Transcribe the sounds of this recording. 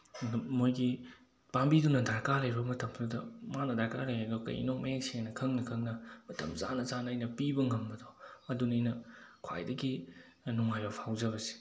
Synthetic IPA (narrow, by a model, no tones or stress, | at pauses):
mojɡi | pambidunɐdaɾkalɐjbɐmɐtɐmdudɐmanɐdaɾkalɐjɦadɔkɐ̰jʔḭnok̚mɐjeŋseŋnɐkʰɐŋnɐkʰɐŋnɐmɐtɐ̰mza̰nɐzanːjnɐpibɐŋɐmbɐdɔɐdunɐjnɐkʰwa̰jdɐɡi | nuŋajopʰawzɐβɐsi̥